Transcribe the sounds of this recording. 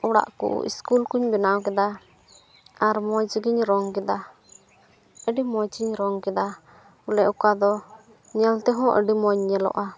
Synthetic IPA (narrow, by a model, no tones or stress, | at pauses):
ɔɽa̰ʔkṵʔḭskulkuɲbɛnawkɛd̪a | aɾmɔjt͡ʃiɡiɲɾɔŋkɛd̪a | əɖimɔjt͡ʃiɲɾɔŋkɛd̪a | ulɛʔukad̪ɔ | ɲɛlt̪ɛɦɔ̃ʔə̰ɖimɔɲɲɛlɔ̰ʔa